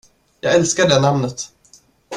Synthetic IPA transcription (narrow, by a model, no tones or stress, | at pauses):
jɑːɡɛlskaɖɛnamnət̪